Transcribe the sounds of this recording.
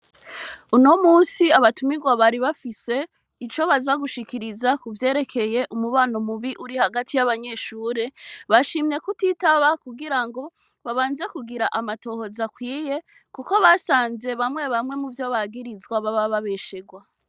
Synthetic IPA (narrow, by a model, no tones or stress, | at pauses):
unomuːnsiaβatumiɡwaβaɾiβafise̞ | it͡ʃo̞βazaɡuʃikiɾizakuvje̞ːɾe̞kʰe̞je̞ʔumuβaːnomuβiʔuɾihaɡatʰijaβaɲe̞ʃuːɾe̞βaʃimɲe̞kutitaβakuɡiɾaŋɡo̞ | βaβaːnze̞kuɡiɾaʔamato̞ːho̞zakwiːje̞ | kuko̞βasaːnze̞βamŋe̞βamŋe̞muvjo̞βaɡiɾizɡwaβaβaβaβeʃeɡwa